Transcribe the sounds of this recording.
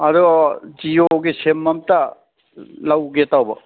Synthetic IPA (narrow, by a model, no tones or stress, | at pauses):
ɐd̪uɡd͡ʒijoɡisemːɐmta | lawɡetawbɐ